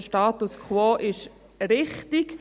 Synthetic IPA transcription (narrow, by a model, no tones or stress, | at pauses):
ʃtɑːt̪uskʰwoːʔɪʃ | ɾɪχtik